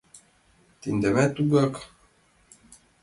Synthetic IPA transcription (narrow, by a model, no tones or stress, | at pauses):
t̪ind̪æmæt̪uɡak